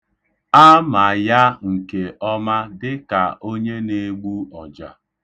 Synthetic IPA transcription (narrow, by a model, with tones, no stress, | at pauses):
a˦ma˨ja˦ŋ̩˨ke˨ʔɔ˦ma˦dɪ˦ka˨ʔo˦ɲe˦ne˦ɡ͡bu˦ɔ˨d͡ʒa̰˨